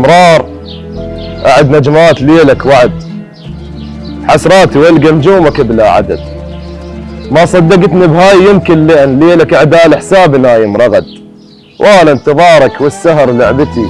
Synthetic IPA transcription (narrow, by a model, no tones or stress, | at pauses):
mɾˤɑːɾˤ | ʔaʕɪd̪nad͡ʒmaːt̪leːlakwaʕɪd̪ | ħasɾˤɑːt̪iwalɡamd͡ʒuːmakɪblaʕa̰d̪a̰d̪̚ | mɑsˤɑd̪ːɑɡɪt̪nibɦaːjːɪmkɪnlɪʔnleːlakaʕd̪aːlɪħsaːbnaːjɪmɾˤɑɣa̰d̪ | wʔaːlant̪ɨðˤɑːɾˤɑkwɪsːaɦɾˤlaʕbɪt̪i